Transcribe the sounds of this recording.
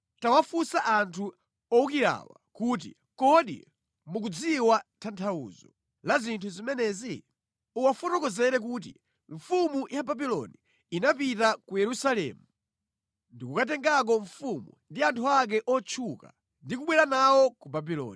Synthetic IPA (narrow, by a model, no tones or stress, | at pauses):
tawafusaʔantʰu | ɔukiɾa̰wa̰kuːt̬ḭ | kɔɗḭ | mukud͡ziwatʰantʰaṵzɔ | lazintʰuzimɛnɛzi | uwafɔtɔkɔzɛɾɛk̬ut̬ḭ | ɱfumujʔababilɔ̰niː | napitakujɛɾusalɛ̰ːmu | ndikukat̬ɛŋɡak̬ɔɱfumṵndiantʰuak̬ɛʔɔt͡ʃʰuka̰ | ndikuɓwɛɾanawɔkubabilɔ̰ːni